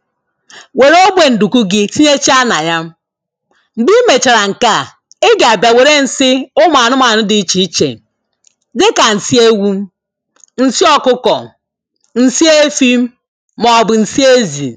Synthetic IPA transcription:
we˨ɾo˦bʷe˨n̩˨du˨ku˦ɡɪ˦si˦ɲe˦t͡ʃi˦a˦na˨ja˦m˦ | m̩˨bi˦me˨t͡ʃa˨ɾa˨ŋ̩˨ka˦˨ | e˦ɡe˨a˨bja˨we˨ɾe˦n̩˨sɪ˦ʊ˦m˨a˨nʊ˦ma˨nʊ˦dɪ˦i˦t͡ʃi˨i˦t͡ʃḛ˨ | dɪ˦ka˨n̩˨si˦e˦ɡʷu˦m̩˦ | n̩˨sɪ˦ɔ˦kʊ˦kɔ˨ | n̩˨si˦e˦fi˦m̩˦ | mɔ˨bʊ˨n̩˨si˦e˦zi˨

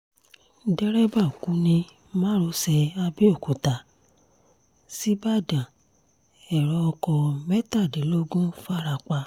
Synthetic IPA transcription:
dɛ˦ɾɛ˦ba˦˨kũ˨˦nĩ˧ | mãː˦ɾo˧˦sɛ˧a˧bi˦o˦˨ko˨ta˨ | si˨˦ba˦˨dã˨ | ɛ˨ɾɔ˨˧ɔ˧kɔ˧mɛ˦ta˦˨de˨˦lo˦ɡũ˦fa˦ɾa˧˨k͡pa˧

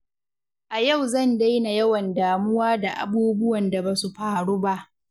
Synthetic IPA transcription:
ʔa˨ja˦˨wzɐ˦˨nda˦jna˨jɐ˦wɐ˨ndaː˨mʊ˦waː˦da˨ʔa̰˨buː˦bʊ˦wɐ˨nda˨baː˨su˨ɸaː˨ɽuː˦ba˦ʔ

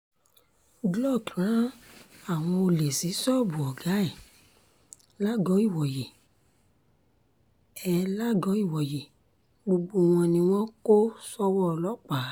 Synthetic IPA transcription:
ɡlɔ˦˨tʰu˨ɾã˦a˨w̃ɔ̃˧o˧le˨si˨˦sɔ˦˨bu˨ɔ˨ɡa˨˦ɛ˦˨ | la˦ɡɔ˨˦i˦˨wɔ˨je˨ | ɛ˧la˦ɡɔ˨˦i˦˨wɔ˨je˨ | ɡ͡bo˧ɡ͡bo˧w̃ɔ̃˧nĩ˧w̃ɔ̃˦ko˦sɔ˦wɔ˦˧lɔ˦k͡pa˨˦

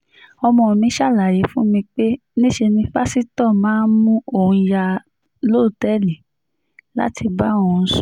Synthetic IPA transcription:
ɔ˧mɔ̃˧˨mĩ˧˦ʃa˦˨la˨je˨˦fũ˦mĩ˧k͡pe˦ | nĩ˦ʃe˧nĩ˧fa˦si˦tɔ˦˨mãː˦mũ˦o˦˨ũ˧ja˧ | lo˦˨tɛ˦˨li˨ | la̰˦tʰi˧ba˦˨wɔ̃˨˧˨sɔ˦

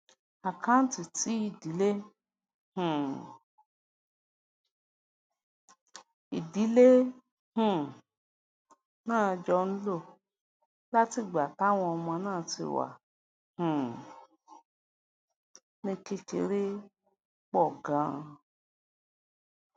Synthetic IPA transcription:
a˨kã˦n̩˦ti˨ti˨˦i˦˨di˨˦le˦ | hũ˨ | i˨di˨˦le˦ | hũ˨ | nãː˦˨˧d͡ʒɔ˧ñ̩˦lo˦˨ | la˦ti˦˨ɡ͡ba˨ta˨˦w̃ɔ̃˧ɔ˧mɔ̃˧nãː˦˨˧tḭ˧wa̰˨ | hũ˨ | nĩ˧ke˧ke˨˧ɾe˦ | k͡pɔ˦˨ɡã˨˦˧

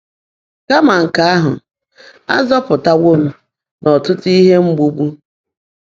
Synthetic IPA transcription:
ka˦ma˨ŋ̩˨ka˦a˦ɦʊ̰˨ | a̰˦zɔ˦pʊ˨ta˦wo˦m̩˦ | nɔ˨tʊ˦ti˦ɦe˦ŋ͡m̩˦ɡ͡bu˦bu˦

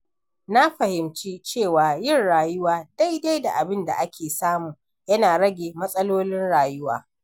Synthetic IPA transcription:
na˦ɸɐ˨hɪ˨mt͡ʃiː˦t͡ʃeː˦˨waː˨jɪ˦˨nɽaː˨jʊ˦waː˨da˦jda˦jda˨ʔa˨bɪ˦nda̰˨ʔa˦kʲʰeː˨saː˦muː˨ | jɐ˦naː˨ɽɐ˦ɡʲeː˨mɐ˦sʼɐ˦loː˦lɪ˦nɽaː˨jʊ˦wa̰ː˨

